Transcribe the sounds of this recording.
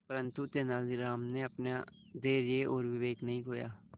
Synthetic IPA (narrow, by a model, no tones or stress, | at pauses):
pəɾə̃nt̪ut̪eːnaːlɪɾaːmneːəpnaː | d̪eːɾeːʔoːɾʋɪʋeːknəɦĩːkoːja̰ː